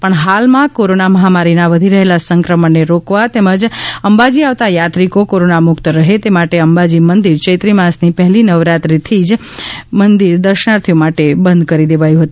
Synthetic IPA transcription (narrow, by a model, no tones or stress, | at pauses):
pəɳɦalmãkoɾonaməɦamaɾinaʋəd̪ʱiɾəɦelasəŋkɾəməɳːeɾokʋat̪eməd͡ʒəmbad͡ʒiaʋt̪ajat̪ɾikokoɾonamʊkt̪ɾəɦet̪emaʈeəmbad͡ʒimənd̪iɾt͡ʃəjt̪ɾimãsnipəɦlinəʋɾat̪ɾit̪ʰid͡ʒ | mənd̪iɾd̪əɾʃənaɾt̪ʰijomaʈebənd̪kəɾid̪eʋajũɦət̪ũ